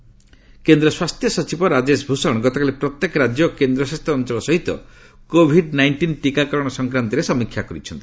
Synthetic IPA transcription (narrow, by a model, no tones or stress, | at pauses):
kend̪ɾɔswast̪ʰjɔsɔt͡ʃibɔɾad͡ʒesbʱusɔɽ̃ɡɔt̪ɔkalipɾɔt̪jekɔɾad͡ʒjɔkend̪ɾɔsast̪ʰɔnt͡ʃɔlɔsɔɦit̪ɔ̰ | kobʱiɖnajɳʈinʈikakɔɾɔɽ̃ɔsɔŋkɾant̪iɾesɔmikʰːjakɔɾit͡ʃʰɔnt̪i̥